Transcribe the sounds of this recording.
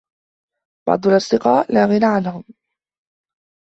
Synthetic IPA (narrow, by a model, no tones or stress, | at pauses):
b̥ɑ̰ʕd̪ˤʊlʔɑsˤd̪ɪqɑːʔlaːɣɪnaʕanhʊm